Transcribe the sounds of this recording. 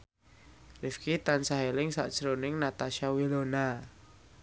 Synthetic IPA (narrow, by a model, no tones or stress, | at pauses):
lɪfkit̪ansaɦelɪŋsa̰ʔd̥ʒ̥əɾonɪŋnat̪aʃawilona